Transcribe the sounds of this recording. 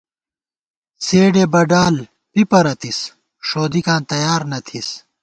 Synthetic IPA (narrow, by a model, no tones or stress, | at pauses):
seːɖeːbɐɖaːl | pipɐɾɐt̪is | ʂoːd̪ikãːnt̪ɐjaːɾnɐt̪ʰis